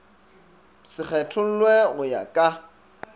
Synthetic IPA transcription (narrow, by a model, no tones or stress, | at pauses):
sɪk͡xɛtʰʊl̩lwɛɣʊja̰kʼa